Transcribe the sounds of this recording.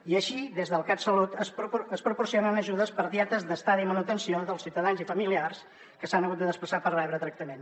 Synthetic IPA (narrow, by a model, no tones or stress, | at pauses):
iəʃiðezðəlˠkat̪səlut̪əspuəspɾupursionənəʒuðəspəɾðiɛt̪əzðəst̪aðimənut̪ənsioðəlˠsiwt̪əðanzifəmiliars | kəsanəɣut̪̚d̪əðəspləsapərrɛβɾət̪ɾək̚t̪əmen